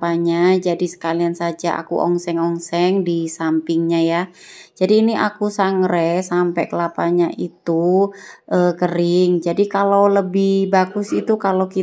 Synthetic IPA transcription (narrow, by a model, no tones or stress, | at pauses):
paɲad͡ʒadisə̥kaliansad͡ʒaa̰kṵʔɔ̰ŋsɛŋɔŋsɛŋdisampɪŋɲaja | d͡ʒadiːniʔa̰kusaŋɾɛsampɛkəlapaɲaʔit̪uʔəkəɾɪŋd͡ʒadikaloləbɪhbaɡʊsit̪ukaloki